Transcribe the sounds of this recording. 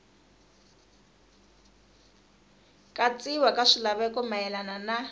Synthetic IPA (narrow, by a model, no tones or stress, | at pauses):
kʼat͡sʼiwakʼaʂilaβɛkɔmajɛlanana